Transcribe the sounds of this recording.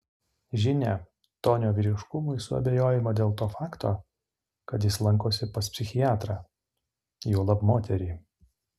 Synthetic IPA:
ʒʲɪnʲɛː | t̪oːnʲoːʋʲiːɾʲɪʃkʊmʊɪsʊɐ̰bʲejoːjɪmɐd̪ʲeːlˠt̪oːfɑːkt̪oː | kɐt̪jɪslˠɐŋkoːsʲɪpɐspʲsʲɪxʲɪjɑːt̪ɾɑː | joːlˠɐpmoːt̪ʲɛɾʲiː

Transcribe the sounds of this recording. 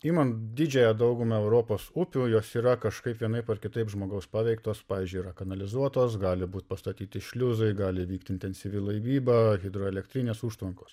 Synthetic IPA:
iːmɐnd̪ʲɪd͡ʒʲɛjɛd̪ɐʊɡʊmɐɛʊɾoːpoːsʊpʲujoːsiːɾɐkɐʃkɐɪpʋʲiɛnɐɪpɐrkʲɪt̪ɐɪpʒmoːɡɐʊspɑːʋʲɛɪkt̪oːspɑːʋʲiːzʲd͡ʒʲʊiɾɐkɐnɐlʲɪzuɔt̪oːsɡɑːlʲɪbuːt̪ʲpɐst̪ɐt̪ʲiːt̪ʲɪʃʲlʲʊzɐɪɡɑːlʲɪʋʲiːkt̪ʲɪnʲt̪ʲɛnʲsʲiʋʲɪlˠɐɪbʲiːbɐɣʲɪd̪ɾoːɛlʲɛkt̪ʲɾʲɪnʲeːsuːʃt̪ʋɐŋkoːs

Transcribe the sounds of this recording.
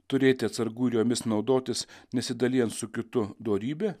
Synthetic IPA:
t̪ʊɾʲeːt̪ʲɪɐt̪sɐɾɡuːɾʲjoːmʲɪsnɒʊd̪oːt̪ʲɪsnʲɛsʲɪd̪ɐlʲiːjɛnt̪sʊkʲɪt̪ʊd̪oːɾʲiːbʲeː

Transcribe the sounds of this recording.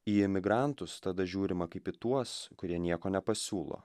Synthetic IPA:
iːɪmʲɪɡɾɑˑnt̪ʊst̪ɐd̪ɐʒʲuːɾʲɪmɐkɐɪpit̪uɔskʊɾʲiɛnʲiɛkoːnʲɛpɐsʲuːlˠo̰ː

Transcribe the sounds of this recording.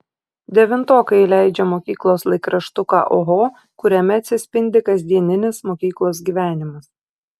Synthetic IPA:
d̪ʲɛʋʲɪnt̪oːkɐɪlʲæˑɪd͡ʒʲɛmoːkʲiːklˠoːslˠɐɪkɾɐʃt̪ʊkɑ̰ːʔoɦoː | kʊɾʲɛmʲɛɐt̪ʲsʲɪsʲpʲɪnʲd̪ʲɪkɐzʲd̪ʲiɛnʲɪnʲɪsmoːkʲiːklˠoːs̬ɡʲiːʋʲæːnʲɪmɐs

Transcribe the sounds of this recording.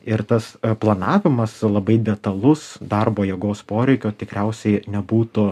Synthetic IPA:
ɪɾt̪ɐsplˠɐnɑːʋʲɪmɐslˠɐbɐɪd̪ʲɛt̪ɐlˠʊsd̪ɐrboːjɛɡoːspoːɾʲɛɪkʲoːt̪ʲɪkɾʲɛʊsʲɛɪnʲɛbuːt̪ʊ

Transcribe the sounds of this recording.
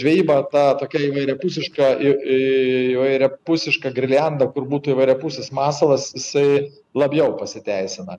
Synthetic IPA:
ʒʲʋʲɛjiːbɐt̪ɑːt̪oːkʲɛiʋɐɪɾʲɛpʊsʲɪʃkɐi | iʋɐɪɾʲɛpʊsʲɪʃkɐɡɾʲɪlʲænd̪ɐkʊɾbuːt̪uːiʋɐɪɾʲɛpʊsʲesmɑːsɐlˠɐsjɪsɐɪ | lˠɐbʲjɛʊpɐsʲɪt̪ʲæɪsʲɪnɐ

